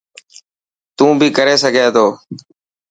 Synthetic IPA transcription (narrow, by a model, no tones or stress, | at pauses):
t̪ũːbʱiːkəɾeːsəɡʱeːt̪ʰoː